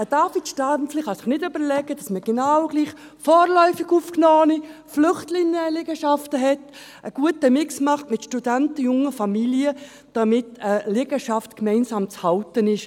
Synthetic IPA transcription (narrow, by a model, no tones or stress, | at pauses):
əd̥ɑːfitʃtanslɪχhɑsɪχnɪdʏbəɾlɛɡəd̥ɑsməɡ̥enɑwɡ̥liːχ | fɔːɾlœʏfɪɡuːfknɔːniflʏχtlɪŋəlɪɡəʃɑftəɦɛt | ʔəɡ̥uətəmɪksmɑχtmɪtʃtudæntəjʊŋəfɑmiliə | d̥ɑmɪtəlɪɡəʃɑftkmɛɪnsɑːmt͡shɑltənɪʃ